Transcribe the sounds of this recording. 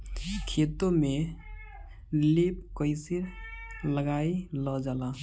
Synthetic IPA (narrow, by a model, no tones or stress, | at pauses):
kʰet̪ome | lepkəɪsiɾləɡailəd͡ʒala